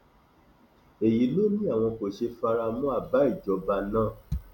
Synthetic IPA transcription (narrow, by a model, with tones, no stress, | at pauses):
e˨ji˨˦lo˦nĩ˦a˦˨w̃ɔ̃˧ko˨ʃe˧fa˧ɾa˧mũ˦a˦˨ba˨˦i˦˨d͡ʒɔ˨˦ba˧nãː˦˨